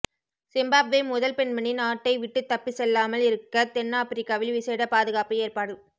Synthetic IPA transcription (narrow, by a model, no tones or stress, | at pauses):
sɪmbaːbʋɐmʊðɐlpɛɳmɐɳinaːʈːɐɪʋɪʈːɯt̪ːɐpːisɛlːaːmɐlɪɾɯkːɐt̪ɛnːaːpɪɾɪkːaːʋɪlʋɪseːɽɐpaːðɯɣaːpɯeːrpaːɽɯ